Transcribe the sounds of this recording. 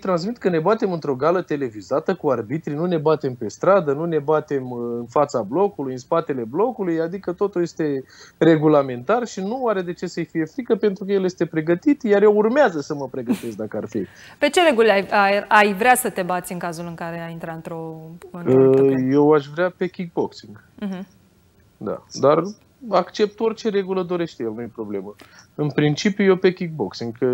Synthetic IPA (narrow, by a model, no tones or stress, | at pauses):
t̪ɾans̬mit̪kəne̞bat̪e̞mɨnt̪ɾo̞ɡalət̪e̞le̞vizat̪əkuarbit̪ɾinune̞bat̪e̞mpe̞st̪ɾad̪ənune̞bat̪e̞mɨnfat̪sablo̞kulujɨnspat̪e̞le̞blo̞kulujad̪ikət̪o̞t̪ulje̞st̪e̞re̞ɡulame̞nt̪arʃinuwaɾe̞d̪e̞t͡ʃe̞səjfije̞fɾikəpe̞nt̪ɾukəje̞lje̞st̪e̞pɾe̞ɡət̪it̪jarjewurmeazəsəməpɾe̞ɡət̪e̞s̬k̚d̪akəarfi | pe̞t͡ʃe̞ɾeɡulajaajvɾeasət̪e̞bat̪sʲɨŋkazulɨŋkaɾe̞aint̪ɾaɨnt̪ɾo̞konəje̞waʃvɾeape̞kʲik̚bo̞ksiŋɡ̩̃ɦ̩ | d̪a̰d̪ar | akt͡ʃe̞p̚t̪o̞rʲt͡ʃe̞ɾe̞ɡuləd̪o̞ɾe̞ʃt̪ejelnujepɾo̞ble̞məɨnpɾint͡ʃipjuje̞pe̞kʲik̚bo̞ksiŋɡ